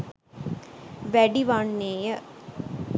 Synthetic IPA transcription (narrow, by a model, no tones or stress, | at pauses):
ʋɛɖiʋaɳːeːjə